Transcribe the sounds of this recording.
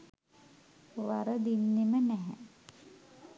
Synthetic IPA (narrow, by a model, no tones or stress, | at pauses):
ʋaɾəd̪inːimənɛɦɛ̰